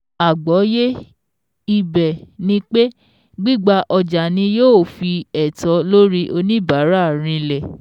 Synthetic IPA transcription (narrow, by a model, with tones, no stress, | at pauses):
a˨ɡ͡bɔ˨˦je˦ | i˧bɛ˨nĩ˧k͡pe˦ | ɡ͡bi˦ɡ͡ba˧ʔɔ˧d͡ʒa˨nĩ˧joː˦˨fi˧ɛ˨tɔ˨˧˦lo˦ɾi˦ʔo˧nĩ˦ba˨˦ɾa˦˨ɾ̃ĩ˧lɛ˨